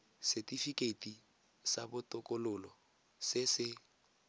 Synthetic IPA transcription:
sɛtʼifikʼetʼi | sabʊtʼʊkʼʊlʊlɔ | sɪsɪ

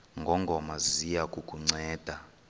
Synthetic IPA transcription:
ŋɡʱɔŋɡʱɔmazijakʼukʼuŋ͡ǀɛːd̥ʱa

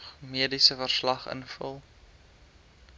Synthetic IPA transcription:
χmiədisəfərslɐχə̰nfəlˠ

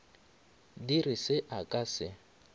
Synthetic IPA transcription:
dirisɪʔakʼasɪ

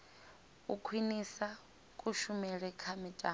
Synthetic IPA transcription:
ukʰwinisa | kʼuʃumɛɺɛkʰamitʼa

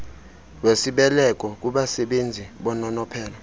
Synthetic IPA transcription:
wesiɓɛlɛk̬ʼɔk̬uɓasɛɓend͡zʱiɓɔnɔnɔpʰɛːla

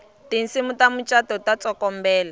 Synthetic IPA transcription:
tin̩simutamut͡ʃʼatɔtat͡sɔkɔmbɛːla

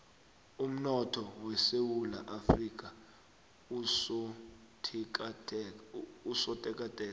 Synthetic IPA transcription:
um̩nɔtʰɔwɛsewula̰ʔafrik̬ʼa | usɔ | tʰk | usɔtʼɛkʼatʼɛːa

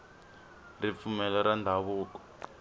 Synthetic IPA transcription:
rip̪fumɛlɛɾandʱaβuːkɔ̥

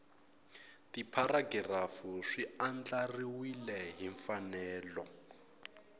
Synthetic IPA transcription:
tipʰaɾaɡirafuʂiand͡ɮariwilɛɦiɱfanɛːlɔ

